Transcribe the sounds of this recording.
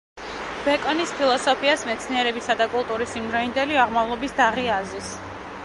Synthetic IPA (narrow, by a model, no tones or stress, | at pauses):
b̥ɛkʼɔnispʰilˠɔsɔpʰiasmɛt̪sʰniɛɾɛbisad̪akʼulˠt̪ʼuɾisimd̪ɾɔind̪ɛliaʁmavlˠɔbisd̪aʁiazis